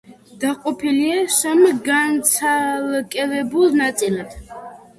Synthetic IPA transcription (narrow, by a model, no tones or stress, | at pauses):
d̪̥aqʼɔpʰiliaʃamɡant̪sʰalkʼɛvɛbulˠnat̪sʼilad̪̥